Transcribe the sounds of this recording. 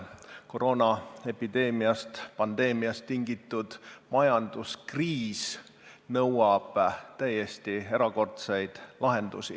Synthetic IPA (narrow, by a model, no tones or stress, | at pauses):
ko̞ɾo̞ːnɑe̞pid̪e̞ːmiɑst̪pɑnd̪̥e̞ːmiɑst̪ːiŋɡit̪ːˑud̪̥mɑjɑnd̪̥uskriːs | nɤwɑb̥t̪æje̞st̪ie̞ɾɑko̞rt̪sejd̪̥lɑɦe̞nd̪̥ṵsḭ